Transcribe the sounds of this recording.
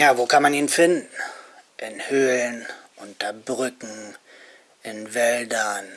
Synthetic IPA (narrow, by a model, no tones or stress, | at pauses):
jaːvoːkʰanmaniːnfɪndn̩ʔɪnhøːlnʔʊntɐbʁʏkŋ̩ | ʔɪnvɛldɐn